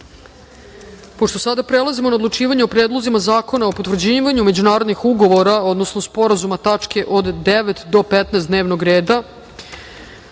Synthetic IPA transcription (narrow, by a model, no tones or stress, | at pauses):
po̞ʂt̪o̞sad̪apɾelˠazimonaod̪lut͡ʂiːʋaɲeopɾeːd̪lˠo̞zimazaːko̞naopot̪ʋr̩d͡ʑiːʋaɲume̞d͡ʑunaːɾo̞d̪nixuɡo̞ʋo̞ɾao̞d̪no̞snospo̞ɾazumat̪at͡ʂke̞ʔod̪d̪eʋet̪d̪o̞pet̪nɛːsd̪neːʋno̞ɡɾeːd̪a